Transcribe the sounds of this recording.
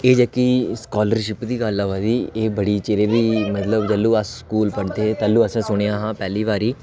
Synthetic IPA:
eːd͡ʒəkiːskɔːləɾʃɪpd̪iːɡalːaʋaːd̪iːeːbəɽiːt͡ʃeːɾeːb̪iːmət̪ləbd͡ʒəlːuːəsskuːlpəɽt̪eːet̪əlːuːəsãːsʊɽ̃eãːɦãːpɛːliːʋaːɾiː

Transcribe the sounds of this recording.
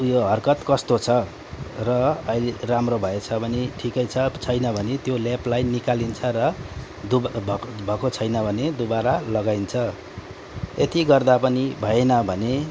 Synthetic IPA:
ujoɦʌrkʌt̪kʌst̪ot͡sʰʌ | rʌʌileramrobʱʌet͡sʰʌbʱʌneʈʰikʌjt͡sʰʌt͡sʰʌjnʌbʱʌnet̪joleplajnːikalint͡sʰʌrʌ | d̪ubʱbʱʌkot͡sʰʌjnʌbʱʌned̪ubaɾalʌɡajnt͡sʰʌ | et̪iɡʌrd̪apʌnibʱʌenʌbʱʌne

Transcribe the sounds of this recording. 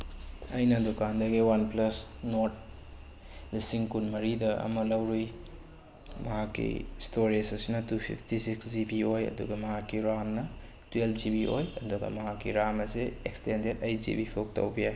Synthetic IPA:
ɐjnɐdukandɐɡiwanplɐsnoɾt̚ | lisiŋkunmɐɾidɐɐ̰mɐlɐwɾuj | mɐɦakːḭstoɾisɐsinɐtupʰḭpʰtisiksd͡ʒibiojɐ̰duɡɐmɐɦakːiɾamnɐ | twelpʰd͡ʒibiʔo̰jɐduɡɐ̰mɐɦakːiɾamɐsiekstendedɐjd͡ʒḭbipʰok̚to̰wbijaj

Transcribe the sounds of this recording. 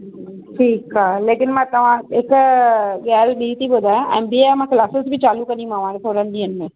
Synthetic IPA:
ʈʰiːkaːleːkɪnmãt̪ɐʋ̤ãek | ɡaːlɗit̪ibod̪ʱaːjãʔɛ̰̃ːnbimãkʰlaːsəsbʱit͡ɕaːlukɐnĩmãʋãːɾesʰoːɽənd̪iːənɪ̆mẽ

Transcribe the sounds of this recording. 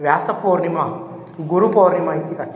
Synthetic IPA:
ʋjaːsɐpoːɾnimɐ | ɡuɾupoːɾnimɐit̪ikɐt͡ʃ

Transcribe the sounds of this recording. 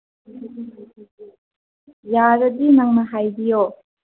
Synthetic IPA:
jaɾədinaŋmaɦajbijo

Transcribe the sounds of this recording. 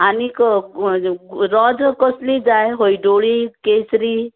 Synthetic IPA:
anikɔ | ɾɔd͡ʒkɔslid͡ʒaeɦoiɖoɽikesɾi

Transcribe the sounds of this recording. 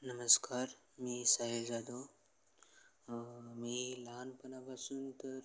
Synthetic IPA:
nəməskaːɾ | miːsaɦelzad̪o | miːlaːnpɐnabasuːnt̪əɾ

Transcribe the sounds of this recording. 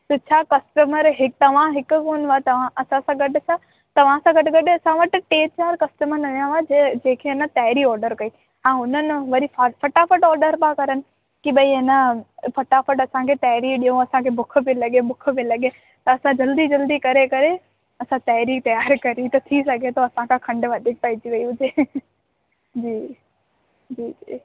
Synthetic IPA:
sɐt͡ɕʰaːkɐsʈəməɾɦɪkt̪ɐʋ̤ãɦɪkʊ̆koːnʋat̪ɐʋ̤ãʔɐsãsãɡɐɖɪt͡ʃʰaː | t̪ɐʋ̤ãsãɡɐʈɡɐɗeɐsãʋɐʈɪ̆ʈeːt͡ɕaːɾkɐsʈəməɾnɐɗijãʋad͡ʑẽːkʰeɪnət̪aːɦɪɾiɔːɾɖəɾkɐiː | ɦãːʊnənɪʋɐɾifɐfʰɐʈafəʈɔːɾɖəɾbãkɐɾənɪ̆ | kiɓɐiɦɪnəpʰɐʈafʰəʈɐsãkʰeːt̪aːɦɪɾiɗijõɐsãkʰebʊk̆ʰbilɐɠebʊk̆ʰbilɐɠe | t̪ɐːsãd͡ʑɐld̪id͡ʑɐld̪ikɐɾekɐɾe | ɐsãt̪aːɪɾit̪ɐjaːɾkɐɾit̪ɐt̪ʰisɐɡʱet̪oɐsãkʰãkʰɐ̃ɳɖʋaːd̪ʱɪk̚pait͡ɕiʋɐiʊd͡ʒeː | d͡ʑiː | d͡ʑiːd͡ʑiː

